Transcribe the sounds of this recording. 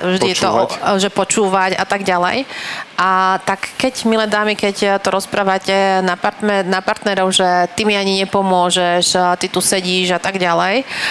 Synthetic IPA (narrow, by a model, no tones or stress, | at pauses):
vʒd̪iɛt̪ɔ̰ʒɛpɔt͡ʃuːʋaca̰t̪aɡɟalɛ̰jʔat̪akːɛɟmilɛd̪aːmikɛct̪ɔɾɔspɾaːʋacɛnapaɾt̪mɛnapaɾt̪nɛɾɔʊʒɛt̪imiaɲiɲɛpɔmʊɔʒɛʃt̪it̪usɛɟiːʒat̪aɡɟalɛj